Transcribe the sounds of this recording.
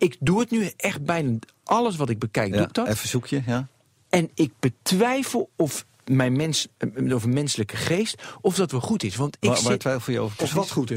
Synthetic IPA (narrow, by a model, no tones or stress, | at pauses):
ɪkduətnyʔɛχt̚bɛjna | ʔɑləs̬ʋɔtɪɡ̚bəkɛjk̚duk̚dɔfəzukʰjə | ɛnɪɡ̚b̥ətʋɛjfəlˠɔf | mɛjnmɛnsovənmɛnsələkəχeːstɔfdɔtʋəlˠχutɪsʋɑntɪʋaːtʋɛjfl̩ˠjəo̰vəɹɔfɔχut